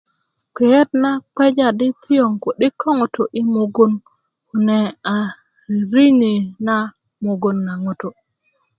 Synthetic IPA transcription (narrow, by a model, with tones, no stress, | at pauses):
ke˨e˦t̚na˦k͡pe˦d͡ʒa˨di˦pʰi˦jo˨ŋko˨ɗi˦kʰːo˦ŋo˨to˨ʔi˦mo˨ɡo˦n | ku˨ne˨a˨ | ɾi˦ɲi˨na˦ | mo˨ɡo˦˨nːa˨ŋo˨to˨